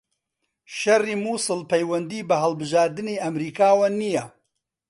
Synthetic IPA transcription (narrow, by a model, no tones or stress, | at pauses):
ʃɐriːmuːsɨlpʰɐjwɐnd̪iːbɐɦɐlˠbɨʒaːɾd̪ɨniːʔɐmɾiːkʰaːwɐnijɐ